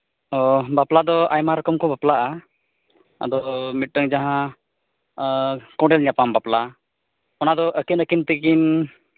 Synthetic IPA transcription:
ɔbaplad̪ɔajmaɾɔkɔmkɔbaplaʔa | a̰d̪ɔmit̪̚ʈəŋd͡ʒaɦã | kɔ̃ɖɛlɲapambapla | ɔnad̪ɔʔəkinəkint̪ikin

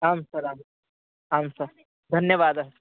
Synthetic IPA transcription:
aːmsɐɾaːm | aːmsɐɾ | d̪ʱɐnjəʋaːd̪aɦs

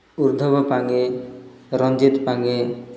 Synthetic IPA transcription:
uɾd̪ʱɔbɔpaŋe | ɾɔnd͡ʒit̪paŋe

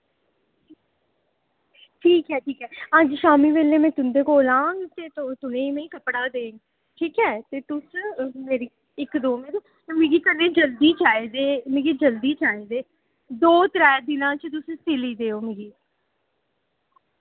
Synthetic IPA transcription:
ʈʰiːkɦɛːʈʰiːkɦɛːəd͡ʒʃaːmiːʋeːleːmɛ̃ːt̪ʊnd̪eːkoːlãːŋɡt̪eːt̪ot̪ʊnẽːimɛ̃ːĩkəpɽaːd̪eːŋɡ | ʈʰiːkɦɛːt̪eːt̪ʊsmeːɾiː | ɪkd̪oːmeːɾeː | mẽːɡiːk̪ənẽːd͡ʒəld̪iːt͡ʃaːeːd̪eːmẽːɡiːd͡ʒəld̪iːt͡ʃaːeːd̪eː | d̪oːt̪ɾɛːd̪ɪnãːt͡ʃt̪ʊst̪ɪliːd̪eːoːmẽːɡiː

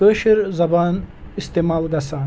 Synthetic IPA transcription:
əʃiɾzɐbaːnist̪emaːlˠɡɐsaːn

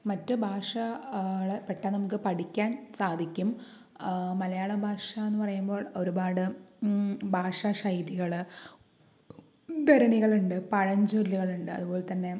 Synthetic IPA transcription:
mɐtːɨbʱaːʂɐɐɭepeʈːɐnɐmukːɨpɐʈʰikʲːaːnsaːd̪ʱikʲːum | mɐlɐjaːɭɐbʱaːʂɐenːɨpɐrɐjumbo̞ːɭo̞ɾubaːɽɨ | bʱaːʂɐʂɐjɾiɣɐɭ | d̪ɐɾɐɳiɣɐɭuɳɖɨpɐɻɐɲd͡ʑoɾluɣɐɭuɳɖɨɐ̰ðubo̞ːlt̪ɐnːe̞

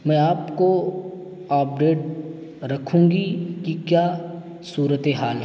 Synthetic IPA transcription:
mɛ̃ːaːpko | aːp̚ɖeːʈ̚ | ɾɐkʰũːŋɡikikjaː | suːɾət̪eɦaːlɦ

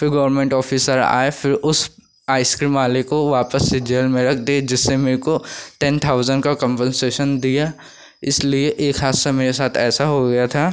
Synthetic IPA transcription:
fɪɾɡɔːʋəɾmẽɳʈɔːfʰiːsəɾa̰ːefɪɾʊs | aːɪskɾiːmaːlekoʋaːpəsːed͡ʒeːlmẽɾɐk̚ʰd̪ed͡ʒɪsːemeːɾkoʈɛnt̪ʰaːʊzə̃ɳɖkakə̃mpə̃nseːʃənd̪ija | ɪslieʔeːkɦaːdsameːɾesaːt̪ʰɛːsaɦoɡɐjat̪ʰaː

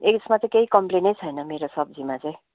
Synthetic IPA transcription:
eksmat͡sʌĩkeikʌmplenʌjt͡sʰʌjnʌmeɾosʌbd͡zimat͡sʌ̃j̃

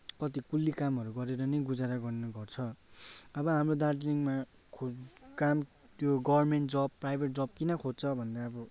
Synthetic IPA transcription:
kʌt̪ikulːikamɦʌɾuɡʌɾeɾʌnʌjɡud͡zaɾaɡʌrnʌɡʌrt͡sʰʌ | ʌbʌɦamrod̪arʈliŋma | kʰokam | t̪joɡʌbʱʌrmeɳʈd͡zʌb̚pːrajbʱeʈ̚d͡zʌb̚kinʌkʰod͡zt͡sʰʌbʱʌnd̪aʌbʌ

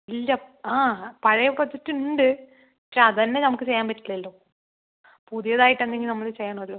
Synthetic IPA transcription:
ilːɐaːpɐɻɐjɐpːɐt̪ːitːɨuɳɖɨ | ɐkʂeɐðɨɐnːenɐmukːɨt͡ɕe̞jːaːmpɐtːilɐlːoː | puðijɐðaːjiʈːend̪eŋɡilnɐmːɐɭt͡ɕejːaːɳɐmɐlːoː

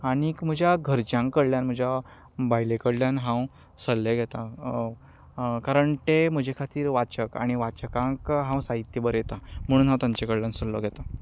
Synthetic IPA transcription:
aɽ̃ikm̤əd͡ʑjaɡʱəɾt͡ɕjãŋkːəɽljanm̤əd͡ʑʱjabajlekəɽljanɦãwsəlːeɡʱɛt̪a | kaɾəɳʈem̤əd͡ʑʱekʰat̪iːɾʋat͡ɕəka̰ɽ̃iʋat͡ɕəkãŋkɦãw̃saɦit̪ːjebəɾjet̪am̤əɽ̃uːnɦãwt̪aɲt͡ɕekəɽljansəllːɔ̰ɡʱɛt̪a

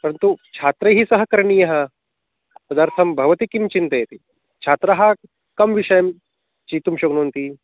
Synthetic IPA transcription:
pɐɾɐnt̪ut͡ʃʰaːt̪ɾɐɦisɐɦɐkɐɾɳiːjɐɦɐ | t̪ɐd̪aɾt̪ʰɐmbʱɐʋɐt̪ikimt͡ʃint̪ɐjɐt̪i | t͡ʃʰaːt̪ɾɐɦa | kɐmʋiʃɐjɐm | t͡ʃit̪umɕoːɡnont̪i

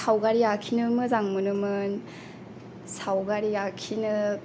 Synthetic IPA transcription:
sawɡaɾijakʰinɯmɯzaŋmɯnɯmɯn | sawɡaɾiakʰinɯ

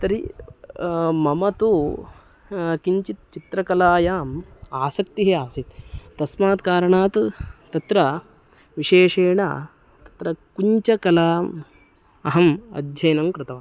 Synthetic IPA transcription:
t̪ɐɾi | mɐmɐt̪u | kiɲt͡ʃit̪̚t͡ʃit̪ɾɐkɐlaːjaːmaːsɐk̚t̪iɦiaːsit̪ːɐsmaːt̪kaːɾɐɳaːt̪t̪ɐt̪ɾɐ | ʋiʃeːʂeːɳa̰ː | t̪ɐ̥t̪ɾɐkuɲt͡ʃɐkɐlaːm | ɐ̰ɦɐmɐ̰d̪ʱjɐjnɐmkɾɪt̪ɐʋaː

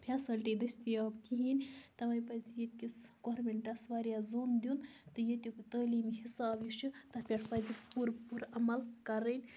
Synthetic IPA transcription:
pʰʲɛsɐlʈid̪ɐsʲt̪ijaːbkiɦinʲt̪ɐʋɐːjpɐzjet̪̚ʲkʲisɡoːɾmʲeɳʈasʋaːɾjazoːnd̪ʲunt̪ɨjet̪ʲukɨt̪əːliːmhisaːbjiʃut̪ɐpʲeʈʰpɐzispuɾpuɾɐmɐlkɐɾənʲ

